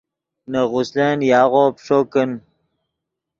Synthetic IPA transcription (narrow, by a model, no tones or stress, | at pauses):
nəɣʊslenjaːɣopʂokən